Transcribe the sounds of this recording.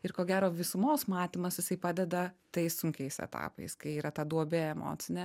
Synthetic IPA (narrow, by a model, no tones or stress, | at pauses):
ɪɾkoːɡʲæːɾoːʋʲɪsʊmoːsmɑːt̪ʲimɐsjɪsɐɪpɑːd̪ʲɛd̪ɐt̪ɐɪssʊŋʲkʲɛɪsɛ̰t̪ɑ̰ːpɐ̰ɪskɐɪiːɾɐt̪ɐd̪uɔbʲɛɛmo̰ːt̪sʲɪnʲɛ